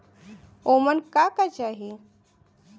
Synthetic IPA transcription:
omənkakat͡ʃaɦi

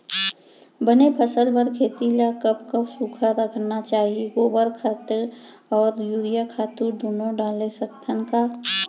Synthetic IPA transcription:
bənepʰəsəlbəɾkʰeːt̪ilakəpkəbsukʰaɾəkʰnat͡ʃaːɦieɡoːbəɾkʰət̪ | ɔːɾjuːɾijakʰaːt̪uːɾd̪unoɖaːlesəkt̪ʰənkaː

